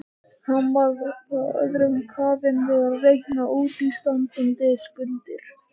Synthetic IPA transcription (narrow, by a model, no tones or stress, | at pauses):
hanvaɾðɔkaœ̰ðɾʏmkʰaːvɪnvɪðaɾrejhnaʔuːt̪ist̪ant̪ʏnt̪ɪskʏlt̪ɪɾ̥